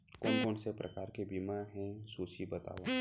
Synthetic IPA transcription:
koːnkoːnsepɾʔɐ̰kaːɾkebimaɦɛ̃suːt͡ʃibɐt̪a̰ːʋa

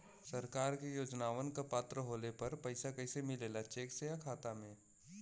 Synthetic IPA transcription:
sɐɾkaːɾkejoːd͡ʒnaːʋənkapaːt̪ɾəɦoːlepɐɾpɐɪsakɐɪsemɪleːlat͡ʃeːksejakʰaːt̪amẽː

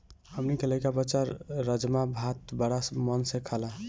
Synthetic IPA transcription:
həmnikeləjkabət͡ʃaɾːəd͡ʒmabʱat̪bəɽasmənsekʰəlã

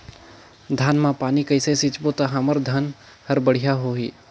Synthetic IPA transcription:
d̪ʱaːnmãpaːnikəɪsesit͡ʃbot̪aɦaməɾd̪ʱan | həɾbəɽ̤ijaɦoɦiː

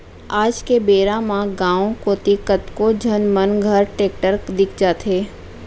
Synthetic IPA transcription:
aːd͡ʒkebeːɾãmãɡãːõkoːt̪ikət̪kõd͡ʒʱənmənɡʱəɾʈeːk̚ʈəɾkd̪ɪkʰd͡ʒaːt̪ʰɦeː

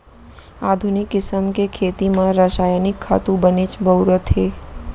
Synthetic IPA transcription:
aːd̪ʱʊnɪkːɪsəmkekʰeːt̪imãɾaːʃaːjənɪkʰːa̰ːt̪ũbənet͡ʃbʱəʊɾət̪ɦeː

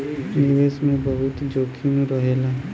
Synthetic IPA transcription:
nɪʋeːsmẽbəɦʊt̪d͡ʒoːkʰim̃ɾəɦeːlaːɦ

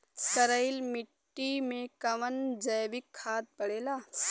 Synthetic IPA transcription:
kəɾəɪlmɪʈːimẽkɐʋənd͡ʒəjʋɪkʰːaːt̪̚pɐɽeːlaː

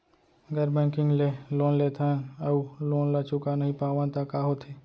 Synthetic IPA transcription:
ɡəɾbɛ̃ːkɪ̃ŋɡleloːnleːt̪ʰãɐuloːnlat͡ʃʊkanəɦĩpaːʋãt̪akaːɦot̪ʰeː

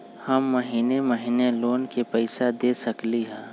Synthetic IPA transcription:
hɐmːɐɦiːnemɐɦiːneloːnkepɛɪsad̪eːsɐkliɦɛ̃ː

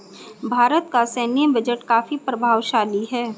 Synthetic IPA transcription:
bʱaːɾət̪kaseːnjə̃bəd͡ʒəʈkaːfipɾɐbʱaːʋʃaːliɦɛː

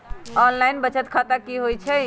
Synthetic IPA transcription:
ɔnlainbət͡ʃət̪kʰət̪akiɦojt͡ʃʰɛ

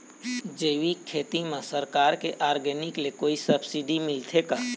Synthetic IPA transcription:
d͡ʒeːʋikʰːeːt̪imãsəɾkaːɾkeʔaːɾɡɛnɪklekoːisəbsiɖimɪlt̪ʰekaː

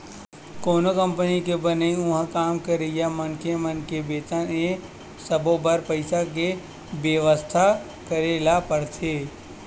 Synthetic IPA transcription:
koːnokə̃mpənikebəneĩʊɦkaːmkəɾejamɐnkemənkebeːt̪ãẽ | səbobəɾpəɪsak̬e | bjəʋəst̪ʰa | kəɾeːlapəɽt̪ʰeː

